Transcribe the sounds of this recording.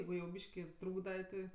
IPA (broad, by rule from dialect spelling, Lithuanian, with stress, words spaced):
ˈjɛɪɡʊ jɛʊ ˈbʲiːʃʲkʲɪ ˈtruːɡdɐ tʲɪ